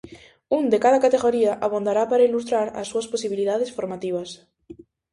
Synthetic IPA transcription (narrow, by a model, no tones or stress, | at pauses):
und̪ekaðakat̪eɣoɾiaʔaβond̪aɾapaɾailust̪ɾaɾa̰sːuasposiβiliðaðesfoɾmat̪iβ̞as